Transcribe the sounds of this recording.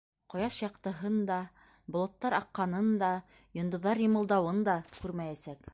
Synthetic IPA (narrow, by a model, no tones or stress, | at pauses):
qŏjɑʃjɑqt̪ɤ̆ɦɤnd̪ɑ | bŏlˠŏt̪ːɑɾɑqːɑnɤnd̪ɑ | jŏnd̪ŏðːɑɾjɤ̆mɤ̆lˠd̪ɑwɤnd̪ɑkʉɾmæjæsæk